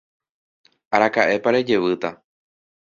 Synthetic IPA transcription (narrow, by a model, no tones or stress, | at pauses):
aɾakaʔe̞paɾe̞d͡ʒe̞ʋɨt̪a